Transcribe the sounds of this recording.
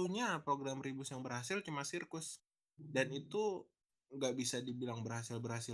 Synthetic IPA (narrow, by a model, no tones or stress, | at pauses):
uɲapɾoɡɾamɾibʊsjaŋbərhasɪlt͡ʃumasirkʊs | danit̪u | ŋɡaʔbisadibilaŋbərhasɪlbərhasɪ